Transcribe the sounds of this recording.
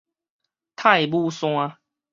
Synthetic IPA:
t̪ʰa˥˧jbu˥˧sw̃ã˧

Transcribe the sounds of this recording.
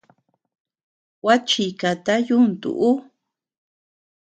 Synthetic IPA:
wa˦t͡ʃi˨ka˨t̪a˦ju˦nt̪ṵ˨ʔu˦

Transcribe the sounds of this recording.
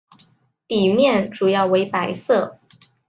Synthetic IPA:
t̪i˨˩mjɛ˥˩nʈ͡ʂu˨˩jɑ˥˩ʊwe˧˥ɪpa˧˥ɪsɤ˥˩

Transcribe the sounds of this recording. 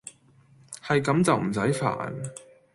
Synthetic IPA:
hɐ˨jkɐ˨˥mt͡sɐ˨wm̩˨˩sɐ˨˥jfa̰ː˨˩n

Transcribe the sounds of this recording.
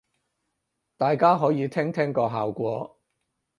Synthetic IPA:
t̪aː˨jkaː˥ɦɔː˨˥jiː˨˧t̪ʰɛː˥ŋt̪ʰɛː˥ŋkɔː˧ɦaː˨wkʷɔː˧

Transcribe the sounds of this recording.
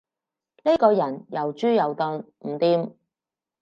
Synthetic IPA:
ne˥kɔː˧jɐ˨˩njɐ˨˩wt͡ʃyː˥jɐ˨˩wt̪ɔː˧n | m̩˨˩t̪iː˧m

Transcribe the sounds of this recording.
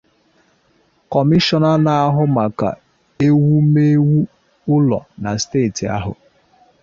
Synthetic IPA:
kɔ˨mi˦ʃɔ˦na˦na˨a˦ɦʊ˦ma˨ka̰˨ | e˦wu˦me˦wu˦ | ʊ˦lɔ̰˨na˨steː˦˨ti˨a̰˦ɦʊ̰˨

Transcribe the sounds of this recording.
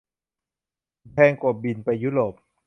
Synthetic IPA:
pʰɛː˧ŋku˨˩bi˧npa˧jːu˦˥ɾoː˨˩p̚

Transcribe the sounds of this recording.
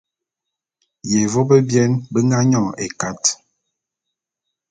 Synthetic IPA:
jɛ˨vɔ˦bə˦bjɛ˦nbə˦ŋɡa˦ɲɔ̃˦˨ḛ˨ka˦t

